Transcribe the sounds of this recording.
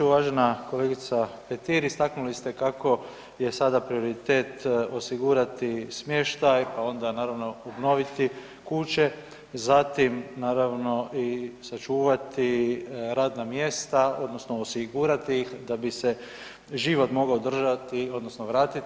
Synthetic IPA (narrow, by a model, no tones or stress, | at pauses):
uʋaːʒenako̞leɡit̪sapet̪iɾist̪aknulist̪e̞kakʰo̞ | je̞sad̪apɾio̞ɾit̪e̞ːt̪o̞siɡuːɾat̪ismjeʃt̪ajpao̞nd̪anaːɾaʋno̞obno̞ʋit̪i | kut͡ʃe̞ | zat̪imnaːɾaʋno̞ʔisat͡ʃuːʋat̪iɾaːd̪namje̞st̪ao̞d̪no̞snoosiɡuːɾat̪iixd̪abise | ʒiʋo̞t̪mo̞ɡaod̪r̩ʒat̪io̞d̪nosnoʋɾaːt̪i